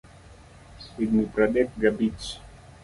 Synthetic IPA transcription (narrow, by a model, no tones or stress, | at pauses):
id̪̚nipɾadɛk̚ɡabit͡ʃ